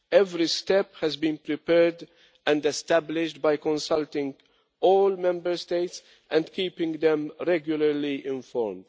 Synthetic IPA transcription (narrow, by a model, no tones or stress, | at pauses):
ɛvɾistɛphæzbĩːnpɹipɛɹd | ʔæ̃ndɛstæblɪʃt̚bajkɔ̃nsalt̪ɪ̃ŋɡ | ʔɔːlmɛ̃mbəɹst̪eɪts | ʔɛ̃ndkiːpɪ̃ŋɡd̪ɛ̃mɹɛɡjʊləɹliʔɪ̃nfɔɹmd̥